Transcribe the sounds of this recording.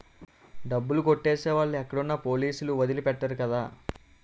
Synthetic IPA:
ɖɐbːulukoʈːe̞ːseːʋaːɭːuɛkːɐɽunːɐpo̞ːliːsuluʋɐd̪ilipɛʈːɐɾukɐd̪aː

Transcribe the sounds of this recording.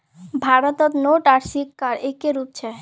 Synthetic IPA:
bʱaɾot̪ɔt̪noʈaɾsikːaɾekeɾup̚t͡ɕʰe

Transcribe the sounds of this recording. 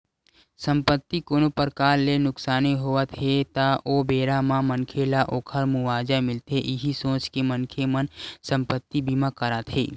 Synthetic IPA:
sə̃mpət̪ːikoːnopəɾkaːɾːenʊksaːneɦoʋət̪ɦet̪aʔoːbeːɾamãmənkʰelaʔoːkʰəɾmʊʋaːd͡ʒamɪlt̪eʔɪɦisõːt͡ʃkemənkʰemənsə̃mpət̪ːibiːmakəɾat̪ɦḛː

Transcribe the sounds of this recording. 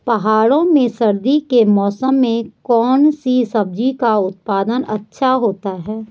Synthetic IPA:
pɐɦaːɽõmẽsɐɾd̪ikemɔːsəmːẽkɔːnsisɐb̚d͡ʒikaʊt̪̚paːd̪ənɐ̰tːʃʰaɦoːt̪aɦɛː

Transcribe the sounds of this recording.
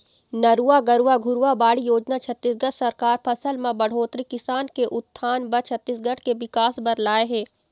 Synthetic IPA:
nɐɾuaɡɐɾuaɡʱʊɾʋabaːɽijoːd͡ʒnat͡ʃʰɐt̪ːisɡɐɽsɐɾkaːɾpʰɐsəlmãbɐɽ̤oːt̪ɾikɪsaːnkeʔʊt̪ʰːaːnbɐɾt͡ʃʰɐt̪ːiːsɡɐɽkeʋɪkaːsbɐɾlaːeɦɛː

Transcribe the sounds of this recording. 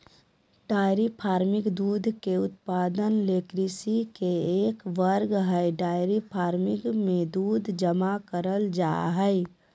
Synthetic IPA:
ɖaɪɾipʰaːɾmikd̪ud̪ʱkeʊt̪pad̪ənlekɾisikeekʋəɾɡɦəɪɖaɪɾipʰaɾmɪkmed̪ud̪ʱd͡ʒəmakəɾəld͡ʒa̰ɦəɪ

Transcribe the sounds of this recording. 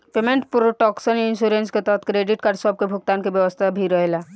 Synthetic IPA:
pemẽɳʈpuɾʈɔːksənɪnʃuɾensket̪ɔɦət̪ʰkɾeːɖɪʈkaːɖsɔb̚kebʱʊk̚t̪aːnkebjəʋəst̪ʰabʱiɾəɦela

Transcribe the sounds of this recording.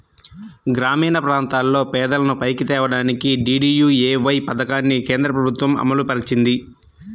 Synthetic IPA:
ɡɾaːmiːnɐpɾaːnt̪aːlːo̞ːpɛːd̪ɐlɐnupɐjkit̪ɛːʋɐɽaːnikiɖiːɖiːjuːeːʋɐjpɐd̪ɐkaːnːike̞ːnd̪ɾɐpɾɐbʱut̪ʋɐmɐ̰mɐlupɐɾit͡ʃind̪i

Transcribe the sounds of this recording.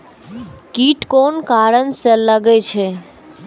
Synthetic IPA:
kiʈkonkaɾənselːaɡet͡ɕʰe

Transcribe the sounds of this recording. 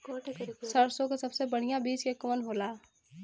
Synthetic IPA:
səɾsõkesɐbsebəɽ̤ijãbiːt͡ʃkekʊmənɦoːlaː

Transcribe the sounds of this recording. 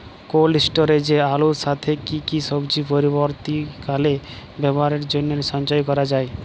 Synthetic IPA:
kolisʈoɾed͡ʑealoʃat̪ʰekikiʃɔbd͡ʑipoɾiboɾt̪ikalebɛboaɾeɾd͡ʑonːeɾʃɔnt͡ʃɔjkɔɾad͡ʑae

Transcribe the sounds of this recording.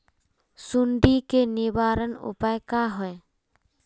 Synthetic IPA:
suɳɖikenɪbaːɾənʊ̰pajkaɦɔe

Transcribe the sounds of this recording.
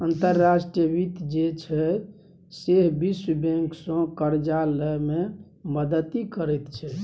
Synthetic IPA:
ənt̪əɾːasʈiəbit̪d͡ʒet͡ʃʰɛ | seɦbisbẽŋksə̃kəɾd͡ʒaləme | məd̪ət̪ikəɾɛt̪t͡ʃʰɛ

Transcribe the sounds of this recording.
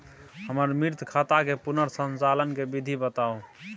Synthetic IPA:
həməɾmiɾt̪ʰkʰat̪akepunəɾsənt͡ʃalənkebid̪ʱibət̪au

